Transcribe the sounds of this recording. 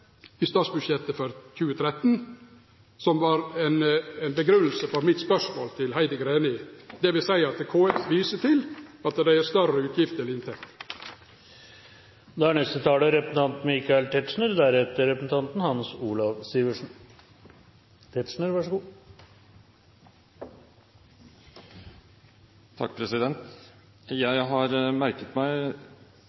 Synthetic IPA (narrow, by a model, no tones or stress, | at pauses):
ɪst̪ɑːt̪sbʉʂjɛt̪ːəfɔɾçʉːət̪ʰɾɛt̪ːn | sɔmʋɑːɾɛnɛɪnbəɡɾʉnːl̩səfɔɾmɪt̪spœʂmoːlt̪ʰɪlhæɪd̪əɡɾeːnɪd̪ɛʋɪsæɪəɑt̪̚d̪ɛkʰoːɛʋiːsət̪ʰɪlɑt̪̚d̪ææɾst̪œɾəʉːt̪ʰjɪft̪əlɪnt̪ʰɛkt̪ | d̪ɛæɳɛst̪ət̪ʰɑːləɾɛpəsn̩t̪ʰɑnt̪nmɪkɑɛlt̪ʰɛt̪ʂɳəɾd̪æɾhɛt̪əɾɛpsn̩t̪ʰɑnt̪n̩hɑnsuːlɑʋst̪iːʋəʂɳ̩ | t̪ʰɛt̪ʂɳəɾʋɑʂəɡuː | t̪ʰɑ̰kːpʰɾɛsɪd̪ɛnt̪ | jæɪɦɑɾmæɾkət̪mæɪ